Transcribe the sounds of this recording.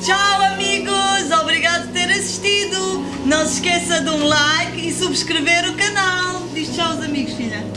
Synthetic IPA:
t͡ʃawɐmiɣuzɔβɾiɣaðpɾt̪eɾɐsi̥ʃt̪iðu | nɐ̃w̃sɨ̥ʃkesɐd̪ũlˠajkisuβʃkɾɨveɾukɐnalˠd̪iʃt̪t͡ʃawuzɐmiɣuʃfiʎɐ

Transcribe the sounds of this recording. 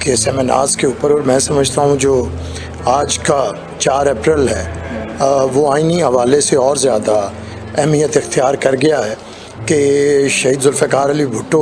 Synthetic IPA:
kesɛːmena̰ːɾzkeuːpəɾɔːɾmɛ̃ːsɐməd͡ʒʱt̪aɦũd͡ʒoː | aːd͡ʒka | t͡ʃaːɾɛːpɾəlɦɛː | ʋoaːiniɐʋaːleseɔːɾzjaːd̪a | ɛɦmijət̪ɪxt̪ijaːɾkɐɾɡɪjaɦɛː | keʃɐɦiːd̪zʊlfɛkaːɾɐlibʱʊʈːo

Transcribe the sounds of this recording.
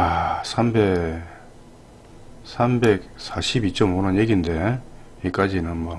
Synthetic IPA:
asʰambe | sʰambek̚saɕʰibit͡ɕ͈ʌmonʌnjeɡinde̞ | ik͈ad͡ʑinɯnmʌ

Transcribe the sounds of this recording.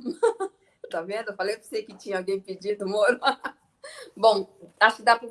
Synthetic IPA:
t̪ovẽnd̪ʊfalejposejkɪt͡ʃĩɲɐawɡẽj̃pɪd͡ʒid̪ʊmoɾ | bõw̃aʃʊ̥kɪd̪apɐ

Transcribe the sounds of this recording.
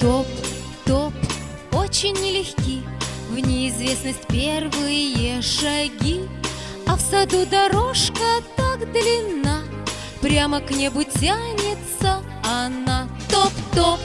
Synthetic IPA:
t̪opt̪o̞p | o̞t͡ɕɪnʲːɪlʲɪxʲkʲivnʲɪɪzvʲe̞snəsʲtʲpʲervɨjəʂɐɡʲi | ɐfsɐd̪ud̪ɐɾoʂkət̪akd̪lʲɪnːa | pɾʲaməknʲebʊtʲanʲɪt̪sə | ɐnat̪opt̪op

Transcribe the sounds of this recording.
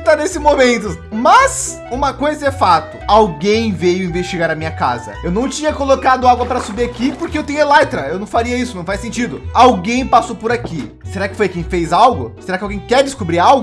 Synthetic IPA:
t̪anesɪmomẽnt̪ʊ | mɐs | ũmɐkojzɐɛfat̪ʊawɡẽj̃vejʊĩvest͡ʃiɡaɾɐmĩɲɐkazɐ̰ewnɐ̃w̃t͡ʃĩɲɐkolokad̪ʊaɡwɐpɾɐsubiakipoɾkeewt̪ẽɲʊelɛjt̪ɾɐewñw̃faɾiɐisʊnɐ̃w̃fasẽnt͡ʃid̪ʊawɡẽj̃pasowpʊɾaki | seɾakɪ̥fojkẽj̃fejzawɡʊseɾakɪawɡẽj̃kɛɾd͡ʒɪskobɾiɾawɡʊ

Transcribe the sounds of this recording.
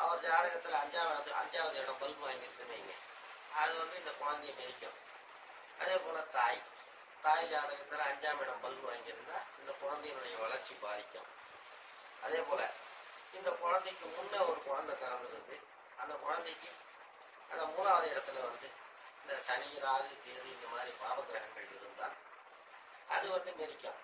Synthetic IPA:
ɐʋɐɾd͡ʒaːɐɾɐɣɐt̪ːɪlɐːɲd͡ʒaːmɪɽɐt̪ːɯɐ̰ɲd͡ʒaːʋɐðɯɛɽɐmbɐlbɯʋaːŋɡɪɾɯnd̪ɯʋeːŋɡɐ | ɐðɯʋɐnd̪ɯɪnd̪ɐkɔɻɐnd̪ɐjɐnɛɾɪkʲːʊ̰̃m | ɐðeːpoːlɐt̪aːj | t̪aːjðaːɾɐɣɐt̪ːɪlɐːɲd͡ʒaːmɪɽɐmbɐlbɯʋaːŋɡɪɾɯnd̪aːɪnd̪ɐkɔɻɐnd̪ɐjɪnɯɽɐjɐʋɐɭɐɾt͡ʃːibaːɾɪkʲːʊ̰̃m | ɐðeːpoːlɐ | ɪnd̪ɐkʊɻɐnd̪ɐkːɯmʊnːɐɔɾɯkɔɻɐnd̪ɐnɐɾɐnd̪ɪɾɯnd̪ɯ | ɐnd̪ɐkɔɻɐnd̪ɛkːɯ | ɐnd̪ɐmuːnaːʋɐðɯɪɽɐt̪ːɪlɐʋɐnd̪ɯ | ɪnd̪ɐsɐɳɪjɪɾaːɣɯp̪eːðɯɪnd̪ɐmaːd̪ɾipaːʋɐɡɾɐɦɐŋɡɐɭðɪɾɯnd̪a̰ː | ɐðɯʋɐnd̪ɯnɛɾɪkʲːɐ̃m

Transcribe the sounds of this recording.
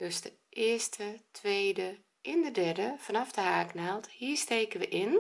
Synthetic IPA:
d̥øsdə | ʔɪəstʰətʋeːdə | ʔɪndədɛrdəfanɑfdəhaːknɛlˠthiəsteːkənʋəʔɪn

